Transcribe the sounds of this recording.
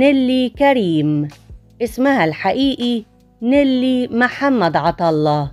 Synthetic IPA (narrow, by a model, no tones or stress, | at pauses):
nɪlːikaɾiːm | ʔɪsmahalħaʔiːʔi | nɪlːimaħamːad̪ʕɑt̪ˤɑlˤːɑ